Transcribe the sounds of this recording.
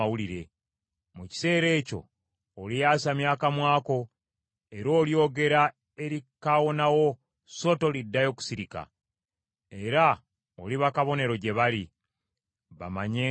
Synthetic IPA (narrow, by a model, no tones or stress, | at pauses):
awuliɾe̞ | muci̥se̞ːɾe̞ːco̞̰ː | lijaːsamjaːkamwaːko̞ | e̞ɾo̞ːljo̞ːɡe̞ɾa | e̞ɾikawo̞nawo̞ | so̞to̞lidːajo̞ːku̥siɾika̰ | e̞ɾa | oliβakaβo̞ne̞ɾo̞ɟe̞βali | βa̰maɲe